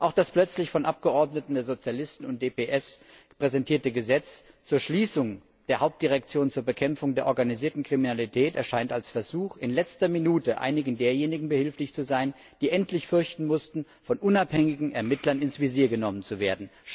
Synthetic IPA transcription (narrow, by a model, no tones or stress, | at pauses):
ʔaʊxd̥asplœt͡slɪçfɔnʔap̚ɡ̥əʔɔɐdnətn̩deːɐzot͡sjalɪstn̩ʊntd̥eːpeʔɛs | pʁ̥ɛzɛntʰiːɐtəɡəzɛt͡s | t͡suːɐʃliːsʊŋ | d̥eːɐhaʊp̚t̚d̥iʁ̞ɛk̚t͡sjoːnt͡suːɐbəkʰɛmfʊŋdeːɐʔɔɐɡaniziːɐtn̩kʁ̥iminalitʰɛːtɛɐʃaɪntalsfɛɐzuːxɪnlɛt͡stɐminuːtəʔa̰ɪnɪɡn̩deːɐjeːnɪɡŋ̩bəhɪlflɪçt͡suzaɪn | d̥iːʔɛntʰlɪçfʏɐçtn̩mʊstn̩ | fɔnʔʊnaphɛŋɪɡŋ̩ɛɐmɪtʰlɐnɪnsv̥iziːɐɡənɔmənt͡suveːɐdn̩